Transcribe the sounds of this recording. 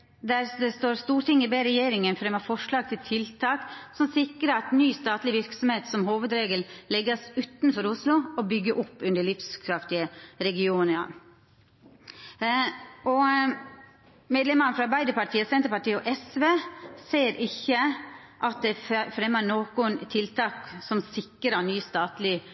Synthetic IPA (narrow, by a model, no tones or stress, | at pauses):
d̪æɾd̪ɛst̪oːɾst̪uːɾt̪ɪŋːəbeːɾɛjeːɾɪŋənfɾɛmːɑfɔʂɭɑːɡ̚t̪ʰɪlt̪ʰɪlt̪ʰɑːksɔmsɪkɾəɑt̪nyːst̪ɑːt̪lɪʋɪɾksɔmheːt̪sɔmhoːʋəd̪ɾeːɡəllɛɡːɑsʉːt̪n̩fɔɾʊslʊɔbʏɡːəʔʊpːʉnd̪əɭɪfskʰɾɑft̪ɪəɾɛɡɪuːnəɑ | ʔɔ | meːd̪lɛmənəfɾɑbæɪd̪əpɑʈʰiːəsɛnt̪əɾpɑʈiːɔʔɛsʋeːseːɾʔɪçːəʔɑt̪̚d̪ɛfɾɛmːənoːkʊnt̪ʰɪlt̪ʰɑːksɔmsɪkːɾənyːst̪ɑːt̪lɪ